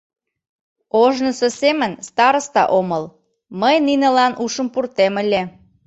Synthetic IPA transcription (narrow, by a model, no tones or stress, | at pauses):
oʒnəsosemənst̪ɑɾəst̪ɑ̰ʔoməl | məjninə̆lɑnʔuʃə̆mpurt̪eməlʲe